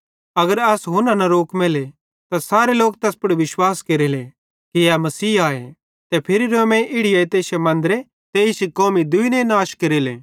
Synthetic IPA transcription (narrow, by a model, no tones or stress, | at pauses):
ɐɡəɾɐsɦʊnãnɐɾoːkmele | t̪asaːɾeloːk̚t̪ɛːspʊɽiʋɪʃwaːskeɾile | kiamɐsiːaːḛ | t̪ɛpʰɪɾiɾomɛ̃ʔɪɽɪjaet̪eːʃemɐ̃nd̪əɾe | t̪eːɪsikoːmid̪ʊinẽnaːʃkeɾileː